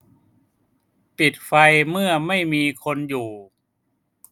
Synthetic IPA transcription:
t̪i˨˩t̪̚fa˧jmɯ˥˩ɐma˥˩jmiː˧kʰo˧njuː˨˩

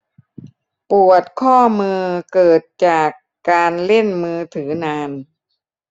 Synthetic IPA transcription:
pu˨˩ət̪̚kʰɔː˥˩mɯː˧kɤː˨˩t̪̚t͡ɕaː˨˩kːaː˧nle˥˩nmɯː˧t̪ʰɯː˩˦naː˧n

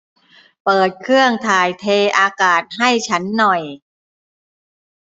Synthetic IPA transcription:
pɤː˨˩t̪̚kʰɯ˥˩əŋt̪ʰaː˨˩jt̪ʰeː˧ʔaː˧kaː˨˩t̪̚ha˥˩jt͡ɕʰa˦˥nːɔ˨˩j

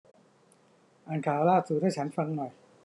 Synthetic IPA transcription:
ʔaː˧nkʰaː˩˦wlaː˥˩t̪̚su˨˩t̪̚haː˥˩t͡ɕʰa˦˥nfa˧ŋnɔ˨˩j

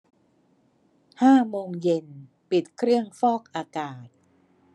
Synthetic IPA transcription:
haː˥˩moː˧ŋje˧n | pi˨˩t̪̚kʰɾɯ˥˩əŋfɔː˥˩k̚ʔaː˧kaː˨˩t̪̚

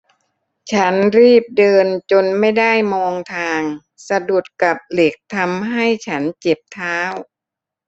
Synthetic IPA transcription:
t͡ɕʰa˦˥nɾiː˥˩p̚dɤː˧nt͡ɕo˧nma˥˩jda˥˩jmɔː˧ŋt̪ʰaː˧ŋ | sa˧du˨˩ət̪̚ka˨˩p̚le˨˩k̚t̪ʰa˧mɦa˥˩jt͡ɕʰa˦˥nt͡ɕe˨˩p̚t̪ʰaː˦˥w

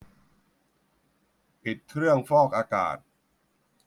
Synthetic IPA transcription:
pi˨˩t̪̚kʰɾɯ˥˩əŋfɔː˥˩k̚ʔaː˧ka̰ː˨˩t̪̚

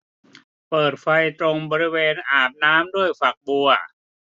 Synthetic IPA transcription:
pɤː˨˩t̪̚fa˧jt̪ɾo˧ŋbɔː˧ɾi˦˥weː˧nʔaː˨˩p̚naː˦˥mdu˥˩əjfa˨˩k̚bu˧ɐ

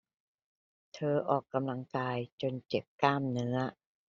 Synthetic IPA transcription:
t̪ʰɤː˧ʔɔː˨˩kːa˧mla˧ŋkaː˧jt͡ɕo˧nt͡ɕe˨˩p̚kaː˥˩mnɯ˦˥ɐ

